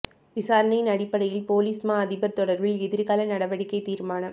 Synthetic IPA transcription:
ʋɪsaːɾɐnɐjɪnɐɽɪpːɐɽɐjɪlpoːliːsmaːɐðɪbɐɾt̪ɔɽɐɾʋɪlɛðɪɾɣaːlɐnɐɽɐʋɐɽɪkːɐɪt̪iːɾmaːnɐ

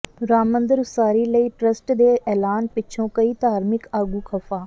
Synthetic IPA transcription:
ɾaːmə̃nd̪əɾsaːɾiːləiːʈɾəsʈd̪eːʔɛːlaːnpɪːt͡ʃʰõːkəiːd̪aːɾmɪkaːɡuːkʰəfaː

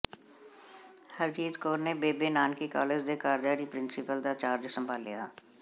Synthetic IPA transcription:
həɾt͡ʃiːt̪koːɾnebeːbeːnaːnkikaːlɪd͡ʒd̪ekaːɾd͡ʒaːɽipɾɪnsɪpəld̪aːt͡ʃaːɾd͡ʒsə̃mbʱaːlːḭja̰ː

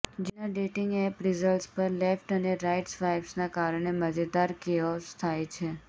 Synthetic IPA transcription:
d͡ʒinaɖeʈiŋɡɛpɾɪzəlʈspəɾlɛfʈəneɾajʈsʋajbsnakaɾɳ̃eməd͡ʒəd̪aɾkeɔst̪ʰajt͡ʃʰe

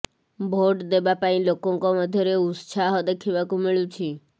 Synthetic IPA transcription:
bʱoʈd̪ebapaĩlokɔ̃ŋkɔməd̪ʱjəɾeussʰaɦɔd̪ekʰiʋakũmiɭũt͡ʃʰi

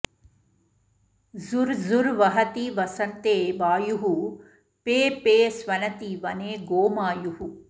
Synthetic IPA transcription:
zuɾzuɾʋɐɦɐt̪iʋɐsɐnt̪eːʋaːjuɦu | peːpeːsʋɐnɐt̪iʋɐneːɡoːmaːjuɦu

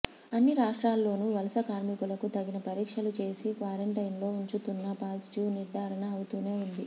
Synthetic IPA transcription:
ɐnːiɾaːʂʈɾaːlːo̞ːnuʋɐlɐsɐkaːɾmikulɐkut̪ɐɡinɐpɐɾiːkʂɐlut͡ʃe̞ːsikʋaːɾeɳʈɐjnlo̞ːuɲt͡ʃut̪unːɐpaːsʈiʋniɾd̪ʱaːɾɐnɐːwut̪uːne̞ːund̪i

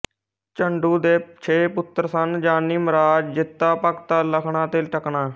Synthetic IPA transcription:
t͡ʃəɳɖuːd̪eːt͡ʃʰeːpʊt̪ːəɾsənd͡ʒaːnːiːməɾaːd͡ʒd͡ʒɪt̪ːaːpəkt̪aːləkʰɳãːt̪elʈəkɳaː

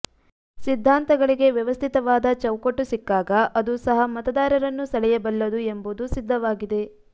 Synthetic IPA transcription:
sid̪ʱːaːnt̪ɐɡɐɭiɡe̞ʋjɐʋɐst̪ʰit̪ɐʋaːd̪ɐt͡ʃɐwkoʈːusikːaːɡɐʔɐd̪usɐɦɐmɐt̪ɐd̪aːɾɐɾɐnːusɐlɛjɐbɐlːɐd̪uembud̪usid̪ʱːɐʋaːɡid̪e̞

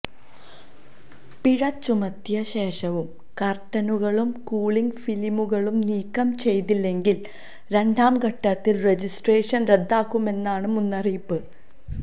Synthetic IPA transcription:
piɻɐt͡ɕːumɐt̪jɐɕe̞ːʂɐʋum | kɐrʈːɐnuɣɐɭumkuːɭiŋɡfilimuɣɐɭumniːkːɐmt͡ɕe̞jt̪ilːe̞ŋɡil | ɾe̞ɳɖaːmɡɐʈːɐt̪ːilred͡ʑisʈreːʂɐnre̞d̪ːaːkːume̞nːaːɳɨmunːɐrijpːɨ

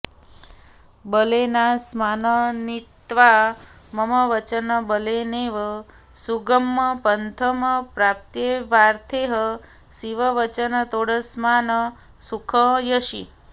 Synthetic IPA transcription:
bəlenasmanənit̪ʋaməməʋət͡ʃənəbəleneʋə | suɡəmːəpənt̪ʰəməpɾap̚t̪jeʋaɾt̪ʰeɦə | siʋəʋət͡ʃənət̪oɽəsmanə | sukʰəjəʃi

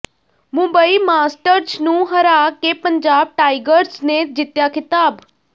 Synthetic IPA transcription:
mʊ̃mbəiːmaːsʈəɾd͡ʒnũːɦəɾaːkeːpəɲd͡ʒaːb̚ʈaːiɡəɾsneːd͡ʒɪt̪jaːkʰɪt̪aːb

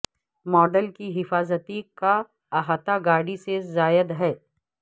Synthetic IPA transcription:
mɔːɖəlkiɦɪfaːzət̪ika | aɦat̪aɡaːɽisezaːjəd̪ɦɛː

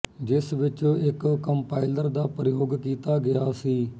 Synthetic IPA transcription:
d͡ʒɪsʋɪt͡ʃõːɪkːəmpaːɪləɾd̪aːpəɾɪjoːɡkiːt̪aːɡɪjaːsiː

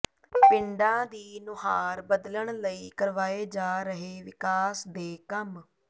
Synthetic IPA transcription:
pɪɳɖãːd̪iːnʊɦaːɾbəd̪ləɳləiːkəɾʋaːeːd͡ʒaːɾəɦeːʋɪkaːsd̪eːkəm

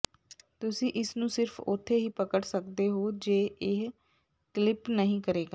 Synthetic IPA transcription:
t̪ʊsĩːʔɪsnũːsɪɾfʰʊ̰t̪ʰːeːɦiːpəkəɽsəkd̪eːɦoːd͡ʒeːɪɦ | klɪpnəɦĩːkəɾeːɡaː

